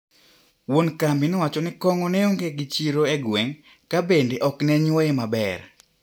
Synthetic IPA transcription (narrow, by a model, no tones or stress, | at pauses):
wonkambinɔwat͡ʃɔnɪkɔŋɔnɛoŋɡeɡɪt͡ʃiɾoeɡweŋ | kabendeʔɔknɛɲwɔjemabɛr